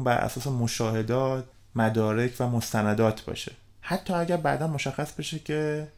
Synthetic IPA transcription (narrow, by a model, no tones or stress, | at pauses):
mbæɾʔæ̰sɒːse̞moʃɒːhe̞d̪ɒːt̪̚ʰ | mæd̪ɒːɾe̞cʰvæmost̪ænæd̪ɒːt̪ʰbɒ̰ːʃe̞ | hæt̪ʰːɒːæɟæɾbæʔd̪ænmoʃæxːæsbe̞ʃecʰe̞